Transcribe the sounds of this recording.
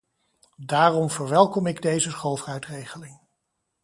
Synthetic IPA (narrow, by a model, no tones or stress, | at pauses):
daːrɔmv̥əɹʋɛlˠkɔmɪɡdejzəsχolˠfrœɥtrejχəlɪŋ